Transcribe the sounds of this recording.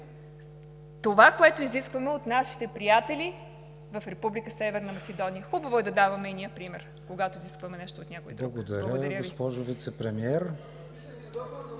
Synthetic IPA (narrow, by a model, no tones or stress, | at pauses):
t̪ovakoɛt̪oiziskvɐmɛot̪naʃi̥t̪ɛpɾijat̪ɛli | vɐfɾɛpublikəsɛvɛɾnɐmɐkʲɛd̪ɔnijəxubəvoɛd̪ɐd̪avɐmɛiniəpɾimɛɾ | koɡat̪oiziskvɐmɛnɛʃt̪ot̪nʲakoid̪ɾluɐɡod̪ɐɾʲəɡd̪ɐɡɾjəovispɔʒʊvit̪sɛpɾɛmiɛɾ